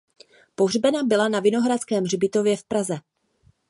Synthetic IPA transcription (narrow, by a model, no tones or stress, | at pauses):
po̞ɦrbɛnabɪlanavɪno̞ɦɾat͡skɛːmr̝ɪbɪt̪o̞vjɛfpɾazɛ